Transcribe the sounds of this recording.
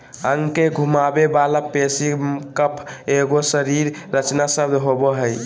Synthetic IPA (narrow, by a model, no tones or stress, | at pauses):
əŋkeɡʱumabebalapesikəpʰeɡosəɾiɾːət͡ʃnasəbd̪ɦobɔɦəj